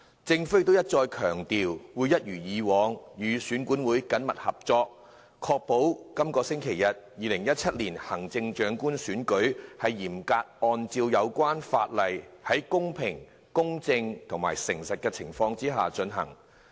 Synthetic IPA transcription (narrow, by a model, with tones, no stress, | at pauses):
t͡sɪ˧ŋfɵ˥jt̪o˥wjɐ˥t̚t͡sɔː˧jkʰœː˨˩ŋt̪iː˨wwuː˨˧jɐ˥t̚jyː˨˩jiː˨˧wɔː˨˧ŋjyː˨˧syː˨˥nkuː˨˥nwuː˨˥jkɐ˨˥nmɐ˨t̚hɐ˨p̚t͡sɔː˧k̚ | kʰɔː˧k̚po˨˥wkɐ˥mkɔː˧sɪ˥ŋkʰe˨˩jɐ˨t̚jiː˨lɪ˨˩ŋjɐ˥t̚t͡sʰɐ˥t̚liː˨˩nhɐ˨˩ŋt͡sɪ˧ŋt͡ʃœː˨˥ŋkuː˥nsyː˨˥nkɵ˨˥ɥhɐ˨jːiː˨˩mkaː˧t̚ʔɔː˧nt͡siː˧wjɐ˨˧wkʷaː˥nfa̰ː˧t̚lɐ˨˩jhɐ˨˥jkʊ˥ŋpʰɪ˨˩ŋ | kʊ˥ŋt͡sɪ˧ŋt̪ʰʊ˨˩ŋma̰ː˨˩jsɪ˨˩ŋsɐ˨t̚kɛː˧t͡sʰɪ˨˩ŋfɔː˧ŋt͡siː˥ɦaː˨˩t͡ʃɵ˨˧nɦɐ̰˨˩ŋ